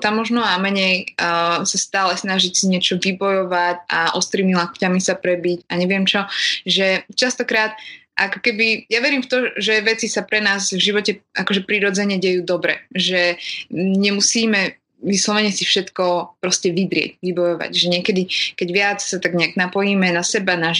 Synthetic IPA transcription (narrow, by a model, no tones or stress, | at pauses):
t̪amːɔʒnɔamɛɲɛj | sast̪aːlɛsnaʒicsiɲɛt͡ʃɔʋibɔjɔʋaca̰ʔɔst̪ɾiːɲilakcamisapɾɛbicaɲɛʋɪɛmt͡ʃɔʒɛt͡ʃast̪ɔkɾaːt̪̚ʔakɔ̥kɛbijaʋɛɾiːmft̪ɔʒɛʋɛt͡sisapɾɛnaːzvʒiʋɔcɛakɔʒɛpɾiɾɔd͡zɛɲɛɟɛjuːd̪ɔbɾɛ̰ʒɛ | ɲɛmusiːmɛ | ʋislɔʋɛɲɛsifʃɛt̪kɔpɾɔscɛʋid̪ɾɪɛ̰ɟʋibɔjɔʋa̰ɟʒɛɲɪɛkɛd̪ikɛɟʋɪat͡ssat̪aɡɲɛaɡnapɔjimɛnasɛbana